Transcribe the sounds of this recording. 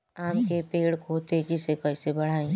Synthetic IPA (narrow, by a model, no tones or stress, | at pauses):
aːmkepeːɽkot̪ed͡ʒɪsekɛɪsebɐɽ̤aːẽ